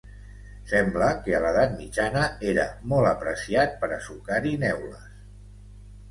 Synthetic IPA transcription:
sɛmbləkəələðat̪̚mid͡ʒanəeɾəmɔlˠəpɾəsiat̪̚pəɾəsukaɾinɛwləs

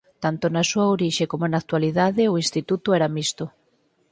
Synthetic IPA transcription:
t̪ant̪onasuɐoɾiʃekomonak̚t̪waliðaðɪoinst̪it̪ut̪ʊɛɾamist̪o

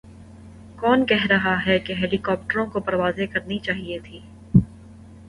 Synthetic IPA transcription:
kɔːnkɛɦɾɐɦaɦɛkeɦeːlikɔːp̚ʈəɾõkopɐɾʋaːzekɐɾnit͡ʃaːɦiet̪ʰiː

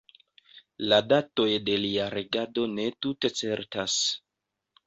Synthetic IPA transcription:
ladato̞jde̞liaɾeɡado̞ne̞tute̞t͡se̞ɾtas

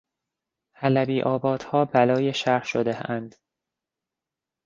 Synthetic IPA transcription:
hælæbiːʔɒːbɒːd̪̥hɒːbælɒːjeʃæɾhʃod̪eænd̪̥

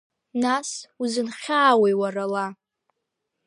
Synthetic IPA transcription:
nasuzɨnχʲaːwejwarala

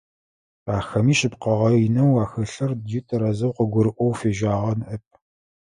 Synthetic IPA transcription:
aːxɐmiːʃɪpqɐʁɐjɪnɐwaːxɐɬɐrdjutʰɐɾɐzɐwqəɡʷʊɾɨʔʷɔwfeːʒʷaːʁɐnʔɐp̚ʰ

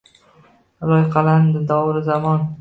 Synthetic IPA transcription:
lˠɒjqʰɑland̪ɪd̪ɒwɾɪzamɒn

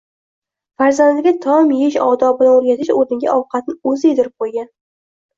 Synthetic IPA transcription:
faɾzand̪ɪɡʲat̪ʰɒmjeʃɒd̪ɒbɪlanoɾɡʲat̪ʰɪʃɵɾd̪ɪŋɡʲa̰ʔɒwqʰɑt̪̚nɪɵzɪed̪ɪɾɪp̚qʰojɡʲan

